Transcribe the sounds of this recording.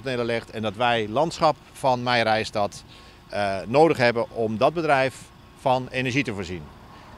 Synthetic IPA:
tənɪdəlɪxtɛndɔtʋɛjlɑntsχɑp | fɑnmɛjrɛjstɔt | noːdəχɦɛbəʔɔmdɔd̚bədrɛjf | fɑnenəɹʒitəvoːɹzin

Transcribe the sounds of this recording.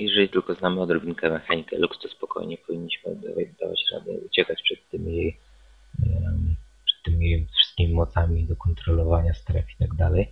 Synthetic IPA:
jɛʐɛlʲit̪ɘlkɔznamɘɔd̪ɾɔbʲiŋkɛmɛxaɲikɛ̰lukst̪ɔspɔkɔ̰jɲɛpɔvʲiɲːiɕmɘ̰d̪a̰vad̪a̰va̰t͡ɕɾa̰d̪ɛ̰ut͡ɕɛkat͡ɕpʂɛt̪ːɘmʲijej | pʂɛ̥t̪ːɘmʲiejfʂɘ̥st̪̚kʲimʲimɔt̪samʲid̪ɔkɔnt̪ɾɔlɔvaɲast̪ɾɛfit̪aɡd̪alɛj

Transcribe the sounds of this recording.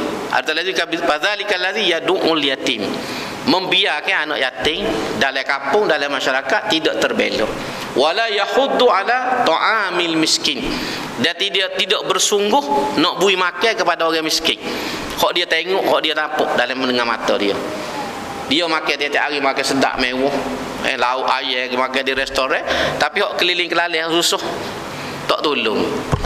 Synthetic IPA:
ʔa̰ɾt̪alazikafaðalikalazijaduŋʔuljat̪im | məmbiakajanɔ̰ʔjat̪ɪŋdalajkampʊŋdalamaʃaɾakat̪ːidɔʔt̪ərbḛlɔ̰ | walajahʊd̪ːualat̪ɔʔamilmiskɪn | diat̪idat̪idɔʔbərsuŋɡʊhnɔʔbuimakajkəpadaoɣamiskɪn | hɔʔdiat̪eŋɔʔhɔʔdiat̪apʊ̰ʔdalamːəndəŋama̰t̪ɔdio̰ | diamakɛjt̪iat̪iʔaɣimakasəda̰ʔmewɔh | ɛ̰laʊʔ̪ajɛimakadiɾɛst̪oɾat̪apihɔʔkəlilɪŋkəlalɛhsusʊh | t̪ɔʔt̪ulʊŋ

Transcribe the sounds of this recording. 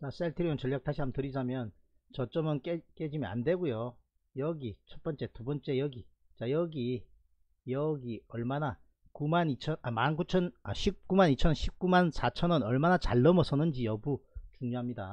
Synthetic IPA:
t͡ɕas͈eɭtʰɯɾiʌnt͡ɕʌʎːjak̚tʰaɕʰiɦamtɯɾid͡ʑamjʌn | t͡ɕʌt͡ɕ͈ʌmɯnk͈ek͈ed͡ʑimia̰ndwe̞ɡujo | jʌɡit͡ɕʰʌt̚p͈ʌnt͡ɕ͈e̞tubʌnt͡ɕ͈e̞jʌɡi | t͡ɕajʌɡi | jʌɡiʌɭmana | kumanit͡ɕʰʌnamankut͡ɕʰʌnaɕʰip̚k͈umanit͡ɕʰʌɕʰip̚k͈umansʰat͡ɕʰʌnɯnʌɭmanat͡ɕaɭːʌmʌsʰʌnɯnd͡ʑijʌbut͡ɕuŋɲoɦamɲida̰

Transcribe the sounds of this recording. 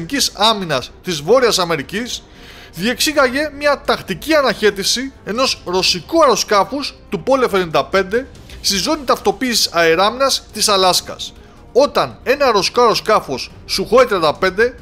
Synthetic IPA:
nicisɐminɐst̪izvo̞ɾiɐsɐme̞ɾicis | ðie̞ksiɣɐʝe̞mɲɐt̪ɐxt̪iciɐnɐçe̞t̪isie̞no̞sɾo̞sikuɐɾo̞skɐfust̪upo̞lefenind̪ɐpe̞nd̪e̞ | st̪izo̞nit̪ɐft̪o̞piːsi̥sɐeɾɐminɐst̪isɐlɐskɐ̰s | o̞t̪ɐne̞nɐɾo̞skoɐɾo̞skɐfo̞sːuxoet̪ɾiɐnd̪ɐpe̞nd̪e̞

